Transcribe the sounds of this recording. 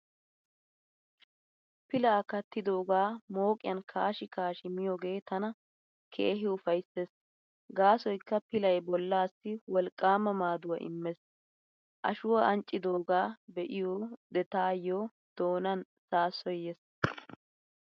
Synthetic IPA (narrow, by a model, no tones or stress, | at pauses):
pɪlaːkɐt̪ːɪd̪o̞ːɡaːmo̞ːkʼɪjɐnkʰaːʃɪkaːʃɪmɪjoːɡe̞ːt̪ɐnɐ | kʰḛːɦɪʊfɐjsːes | ɡaːsɔjkːɐpɪlɐjbɔlːaːsːɪwɔlkʼːaːmɐmaːd̪ʊwɐ̰ʔɪ̰mːɛs | ʔɐ̰ʃʊwɐɐnt͡ʃʼːɪd̪o̞ːɡaːbɛʔɪjoːd̪ɛt̪aːjːoː | d̪̥o̞ːnɐn | saːsɔjɛs